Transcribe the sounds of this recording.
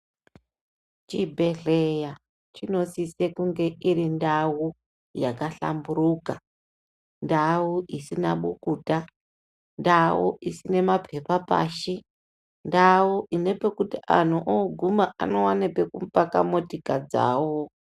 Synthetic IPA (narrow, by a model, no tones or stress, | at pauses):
t͡ʃibʱe̞ɮeja | t͡ʃino̞sise̞kuŋɡe̞ʔiɾindawu | jakaɬa̰mburuːka | ndawuʔisinaɓukuːta | ndawuʔisine̞mapʰe̞papa̰ːʃi | ndawuʔine̞pe̞kutiʔa̰n̤uʔoɡʱumaʔa̰no̞wanepekumpaka̰motikad͡za̰ːwo